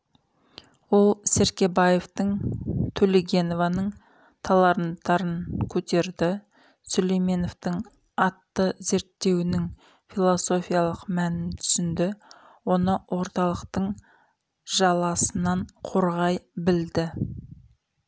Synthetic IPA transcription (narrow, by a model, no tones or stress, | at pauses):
wo̞lˠseɾkʲe̞bɑje̞ft̪əɴt̪ʰɵlɪɡʲe̞no̞vɑnəɴ | t̪ʰɑlˠɑɾənt̪ɑɾənkʲʰɵt̪e̞ɾd̪ɪ | solejme̞no̞ft̪əɴ | ɑt̪ːəze̞ɾt̪ːe̞wɪnɪŋ | filˠo̞so̞fijɑlˠəqmænɪnt̪ʰʏ̥sɪnd̪ɪ | wo̞nəwʔo̞ɾt̪ɑlˠəqt̪əɴ | ʒɑlˠɑsənɑɴqʰo̞ɾʁɑjbɪld̪ɪ